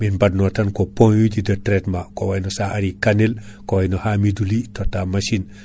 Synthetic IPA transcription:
minbadnɔwtankoponjud͡ʒidətɾetmakowajnɔsaʔaɾikanil | kɔwajnɔhamidulitɔtːamaʃin

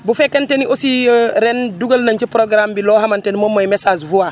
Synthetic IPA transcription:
bufɛkːɐnteniʔosiɾenduɡɐlnɐɲt͡ʃipɾoɡɾambiloːɦamantenmomːɐjmesaːzvua

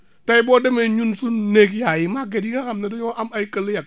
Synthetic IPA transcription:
taibɔdemeɲunsunnekjajimaɡedikakamnedoɲoʔamaikəljak̚

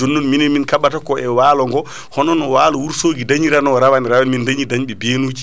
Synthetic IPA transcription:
d͡ʒonːunminɛnminkaɓatakɔʔɛwaːlɔŋɡɔ | hɔnɔnɔwaːlɔwuɾsoːɡidaɲiɾanɔɾawanɾawanmindaɲidaɲɓɛbeːnuːd͡ʒi

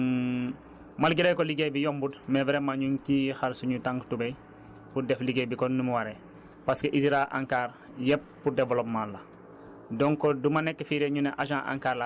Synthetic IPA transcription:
malɡiɾejkoliɡejbijombudmeveɾemaɲuŋkixaɾsuɲutãŋɡtubej | pudefliɡejbikonnumuwaɾe | paskeʔisiɾaʔa̰ŋkaːɾ | jep̚ːudevolopmalːa | doŋkodumanekːfiɾeɲuneʔaʒãʔa̰ŋkaːɾla

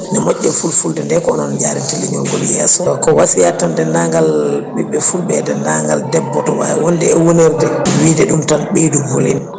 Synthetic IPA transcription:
nɛmɔʔːɛfulfuldɛndɛkɔɔnɔnd͡ʒaɾitiliɲɔ̰ŋɡɔljɛsɔkɔwasijatandɛnaŋɡalɓiɓːɛfulɓɛdɛnaŋɡaldɛbːɔtɔwa̰wɔndɛɛwoniɾdɛwiːdɛɗumtanɓeduɡolḭn

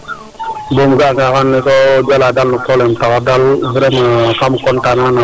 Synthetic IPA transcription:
bomɡaŋɡakanːɪtɔd͡ʒaladalnupɔlɛmtakadalvɾemaakamkɔntanana

